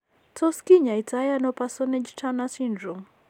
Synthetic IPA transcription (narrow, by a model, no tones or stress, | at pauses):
tʰɔskiɲaitʰajanɔpasɔnɛd͡ʒtʰanasindɾɔm